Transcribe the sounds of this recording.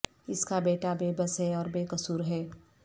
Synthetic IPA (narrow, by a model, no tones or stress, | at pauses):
ɪskabeːʈabeːbəsɦɛɔːɾbeːkɐsuːɾɦɛː